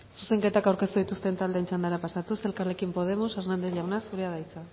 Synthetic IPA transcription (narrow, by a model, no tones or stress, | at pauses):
suse̞ŋke̞t̪akawɾke̞st̪uðit̪ust̪e̞nt̪ald̪eːnt͡ʃand̪aɾapasat̪use̞lkarekimpo̞ð̞e̞moseɾnand̪e̞θʝawnasuɾeaðajt͡sa